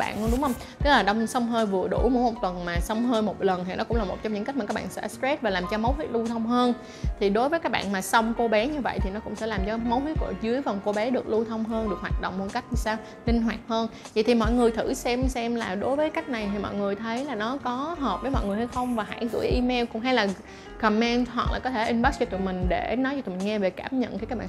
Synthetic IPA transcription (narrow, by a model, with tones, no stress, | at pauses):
a̰ː˧˨n˧ɗʊ˨˦ŋ͡mhə˧wŋ͡m | t̪ɛ˦˥laː˨˩ɗə˧wŋ͡msə˧wŋ͡mɦəː˧jvɨ˨˩əɗu˧˩mo̰˧˥mo˨˩t̚t̪wə˨˩nmaː˨˩sə˧wŋ͡mɦəː˧jmo˨˩t̚lə˨˩nhnɔ˨˦kʊ̰˧˥ŋ͡mlaː˨˩mo˨˩t̚t͡ɕɔ˧mɲɨ̰˧ŋka˦˥j̚ma˨˩kːaː˦˥ɓa̰ː˧˨sɛ̰˧˥stɛ˦˥t̚vaː˨˩laː˨˩mt͡ɕɔ˧mə˨˦wt̪i˦˥ət̚lu˧t̪ʰə˧wŋ͡mɦəː˧n | t̪ʰi˨˩ɗo˨˦jvəː˨˦jkaː˦˥k̚ɓ̰ːnmaː˨˩sə˧wŋ͡mko˧ɓɛ˨˦ɲɨ˧və̰˧˨jt̪ʰi˨˩nɔ˨˦kʊ̰˧˥ŋ͡msɛ̰˧˥laː˨˩mt͡ɕɔ˧mə˨˦whi˨˦˥t̚kṵ˧˩əzɨ˨˦əjvə˨˩wŋ͡mko˧ɓɛ˨˦ɗɨ˨˩ək̚lu˧t̪ʰə˧wŋ͡mɦəː˧nɗɨ˨˩khwaː˨˩t̚ɗo̰˧˨wŋ͡mmo̰˧˩ka˦˥jk̟̚ni˧˩saː˧w | lï˧ŋ̟ɦwaː˨˩t̚həː˧n | və̰˨jt̪ʰi˨˩mɔ̰˧˨jŋɨ˨˩əjt̪ʰɨ˧˩sɛ˧msɛ˧mlaː˨˩ɗo˨˦jvəː˨˦jka˦˥k̚na˨˩jt̪ʰi˨˩mɔ̰˧˨jŋɨ˨˩əjt̪ʰə˨˦jlaː˨˩nɔ˨˦kɔ˨˦ɦəː˨˩p̚vəː˨˦jmɔ̰˧˨jŋɨ˨˩əjha˨˧jxə˧wŋ͡mvaː˨˩ɦa̰ː˧˩jɣɨ̰˧˩əjʔi˧me˧wkʊ̰˧˥ŋ͡mɦa˧jlaː˨˩ | kə˨˩mɛ˧nɦwa˨˩k̚la̰ː˨˩kɔ˨˦t̪ʰe˧˩ʔï˧ŋɓa˦˥st͡ɕi˧t̪ṵ˧˨mï˨˩ŋ̟ɗe˧˩nɔ˨˦j̪u˨˩mi˨˩ŋɛ˧ve˨˩kaː˧˩mɲə̰˧˨nxʰkaː˦˥k̚ɓ̰aː˧